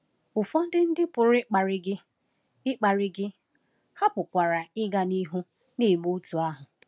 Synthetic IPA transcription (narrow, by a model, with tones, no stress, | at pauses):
ʊ˨fɔ˦n̩˦dɪ˦n̩˦dɪ˦pʊ˨ɾɪ˦k͡pa˨ɾɪ˦ɡɪ˦ | ɪ˦k͡pa˨ɾɪ˦ɡɪ˦ | ha˦pʊ˨kʷa˨ɾa˨ɪ˦ɡa˦ni˦ɦu˦ | ne˦˨mu˦tu˨a˦ɦʊ˨